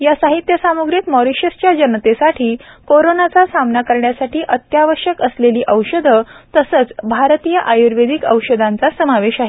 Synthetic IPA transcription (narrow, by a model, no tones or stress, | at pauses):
jasaɦit̪jəsamuɡɾiːt̪mɔɾiɕəɾt͡ɕjad͡ʑənt̪esaʈʰiːkoɾonat͡sasamnakəɾɳjasaʈʰiːʔət̪jaʋəɕjəkəsleliːʔəwɕəd̪ʱət̪əsət͡sbʱaɾt̪iːjəʔajuɾʋed̪ʱikə̰wɕəd̪ʱant͡sasəmaʋeɕaɦe